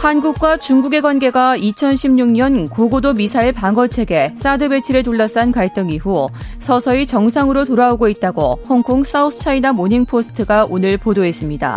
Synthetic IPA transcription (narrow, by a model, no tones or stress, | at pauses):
hanɡuk̚k͈wat͡ɕuŋɡuɡe̞ɡwanɡe̞ɡait͡ɕʰʌnɕʰimɲuŋɲʌnkoɡodomisʰaiɭpaŋʌt͡ɕʰe̞ɡe̞s͈adɯbe̞t͡ɕʰiɾɯt̬uɭːʌs͈ankaɭt͈ɯŋiɸusʰʌsʰʌit͡ɕʌŋsʰaŋɯɾotoɾaoɡoit̚t͈aɡo̰hoŋkʰoŋs͈autʰɯ̥t͡ɕʰainamoɲiŋpʰosʰɯ̥tʰɯɡaonɯɭpodoe̞s͈ɯmɲida̰